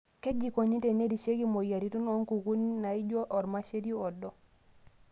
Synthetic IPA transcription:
ke˦d͡ʒi˨ko˨ni˦te˨ne˦di˨ʃe˦ki˦mo˨ja˨ɾi˦tu˦no˦ŋku˨ku˦ni˦na˨i˦ɟo˦ʔɔ˨ɾma˦ʃe˦di˦ɔ˨dɔ˨

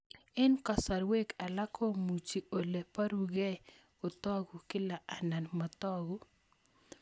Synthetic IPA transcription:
ɪ˦nka˨sa˨ɾwe˦ka˨la˦kʰɔ˦mu˨t͡ʃi˨o˨le˨pa˦ɾu˨ɡɛ˦ | o˨t̪ɔ˦ɡu˨kɪ˦la˨ʔa˨na˨nma˨t̪ɔ˦ɡu˦

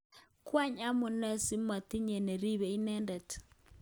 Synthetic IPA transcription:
kwa˦ɲa˦mo˨nɛ˦si˦ma˨ti˦ɲɛ˨nɛ˨ɾi˦βɛ˨i˦nɛ˦ndɛ˨t

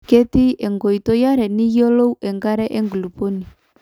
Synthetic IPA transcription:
ke˦ti˦ɛ˨ŋɡɔ˨i˨tɔ˦ja˦ɾɛ˨ni˦jɔ˦lo˦u˦ʔɛ˨ŋɡa˦ɾɛ˦ʔɛ˦ŋɡlu˨po˦ni˨

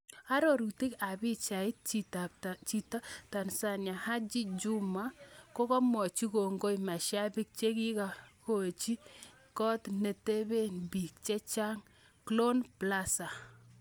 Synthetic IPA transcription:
a˦ɾo˨ɾu˨ti˦ka˨bi˦t͡ʃa˨ɪ˦t̚t͡ʃi˨ta˨t͡ʃi˨ta˦ta˨nsa˨nja˨ha˦d͡ʒi˦d͡ʒu˦ma˦ko˦kɔ˦mɔ˨t͡ʃi˦ko˨ŋɡo˦jma˨ʃja˦bi˦k̚t͡ʃe˦ki˦ka˨ko˨t͡ʃi˦ | kɔ˦tne˨te˦be˦nbi˨k̚t͡ʃɛ˦t͡ʃa˦ŋ | klo˦npla˦sa˨

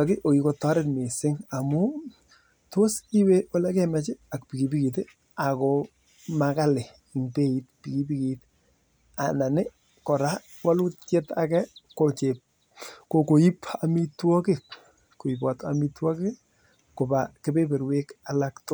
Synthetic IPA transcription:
a˨kɪ˦ʔo˨i˨ko˨tɔ˦ɾɛ˦tme˨sɪ˦ŋa˨mʊ˦ | to˦si˦we˦wɔ˦la˦kɛ˦mɛ˦t͡ʃɪ˦a˨k̚pi˨ki˨bi˦ki˨t̬e˦ | a˨kɔ˨ | maka˦lɪ˨ | ŋpe˦i˦t̚pi˨ki˦pi˦kit | a˨na˨nɪ˦ | kɔ˨ɾa˦ | wa˦lʊ˦tje˦ta̰˦kɛ˦ko˨t͡ʃe˨p̚ | ko˨ko˨i˦pa˨mi˦twɔ˦kɪ˦k | ko˨i˨pa˨ta˨mi˦twɔ˦kɪ˦ | ko˨ba˨ke˦pe˦pe˨ɾwe˦ka˨la˦ktʊ˦

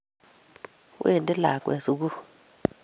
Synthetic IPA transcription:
ṵ˦ɛ˨ndʼɛ˦la̰˨kʼwɛ̰˨su˨k̬u˦

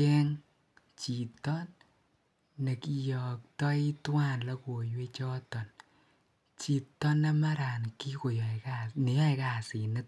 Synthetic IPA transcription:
kɛ˦ŋ | t͡ʃi˨tɔ˦n | ne˨ki˨jɔ˨k̚tɔ˦i˦twa˦nla˦ko˨jwe˦t͡ʃɔ˦tɔ˨n | t͡ʃi˨tːɔ˦na˦ma˦ɾa˨nki˦ko˨jɔ˨kane˨ja˦jka˨si˨nɪ˦t̚

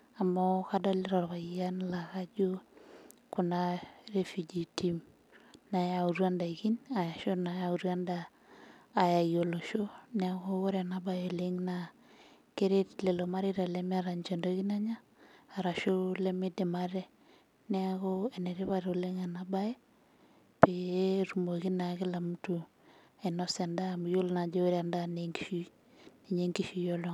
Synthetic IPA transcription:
a˨mɔkadɔ˦li˦ɾɔ˨ɾβa˨a˦nla˨ka˦d͡ʒu˦ | ku˨nare˦fi˨d͡ʒi˨tim | na˨jauɾwa˦nda˨i˨ki˦na˨ja˨ʃo˦na˨jau˨ɾwa˦ndaː˨ | ja˨jo˨lo˨ʃo˦nɛ˦ako˦o˦ɾɛ˨naba˨joleŋna | ke˦ɾe˦tle˨lo˨ma˦ɾiɾa˨lɛmɪ˦a˦ɾa˨ɲd͡ʒɔ˨ndoki˦na˦ɲaː˦˨ | ɾa˨ʃo˦lemɪ˦dɛ˨maɾɛ˦ | nɛaɣoenɛ˨ɾɪ˦βatole˦ŋa˨nabaje˦ | peeɾumo˨ɣi˦na˨kɪ˦la˨mtu˨ | enɔsa˨nda˦mujo˦lna˨d͡ʒo˦ɾa˨ndaneŋɡi̥˦ʃi˦ | ne˨ɲeŋɡiʃi˨jolo˦

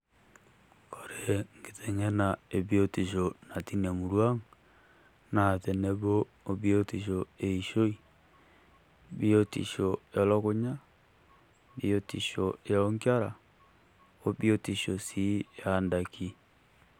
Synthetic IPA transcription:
ko˨ɾe˨ŋɡe˨te˨ŋe˦na˨e˨βjo˦ti˨ʃo˨na˨ti˦na˨mu˨ɾwa˦ŋ | na˨te˨ne˦βoː˦ | βjo˦ti˨ʃo˨e˨i˨ʃo˦i˨ | βi˦o˦tḭ˨ʃo˨lo˦ko˦ɲa˦ | βio˦tḭ˨ʃo˨e˨lo˦ŋkja˦ɾa˨ | o˦βjo˦ti˨ʃo˨si˦a˦nda˨kʰi˦

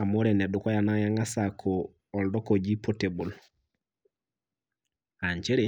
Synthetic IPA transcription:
a˨mo˦ɾɛ˨nɛ˨du˨kɔ˦ja˨na˦ja˦ŋa˦sa˨kʰoː˨ | ldɔ˦kɔ˨d͡ʒi˦pʰo˨te˨bu˨l | a˨ɲt͡ʃe˦ɾe˨˦

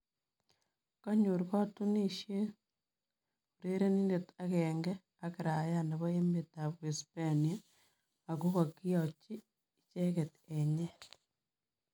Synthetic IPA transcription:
ka˦ɲo˨ɾiɣa˦tuni˦ʃe˦ | uɾe˦ɾe˦ni˦ndeta˦ɣeːŋɡe | a˦keɾa˨ja˦ne˨βo˦e˦meta˨βwespania˦ | a˨ku˦ɣaki˦at͡ʃiː˦ | t͡ʃe˦ɣeteɲe˦

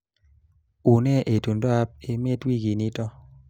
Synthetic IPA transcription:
u˨nɛ˦ʔe˨tu˨nda˦p̚e˨me˦twi˦ɡi˨ni˦tɔ˦

